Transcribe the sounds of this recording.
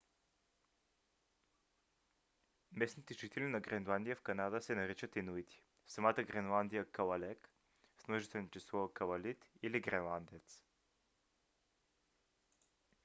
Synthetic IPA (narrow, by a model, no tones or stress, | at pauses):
mɛsnit̪ɛʒit̪ɛlinɐɡɾɛnlˠand̪ijəfkɐnad̪əsɛnɐɾit͡ʃət̪inuit̪ʲʰi̥ | sɐmat̪əɡɾɛnlˠand̪ijəkɐlɐlɛk | smɔʒit̪ɛnit͡ʃɛslˠɔkɐlɐlit̪iliɡɾɛnlˠand̪ɛt̪s